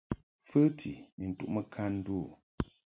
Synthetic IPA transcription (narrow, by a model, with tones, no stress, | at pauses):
fɨ˦tʰi˨mi˨n̩˨tṵ˦˨ʔmə˦kʰa˦n̩˦du˦˨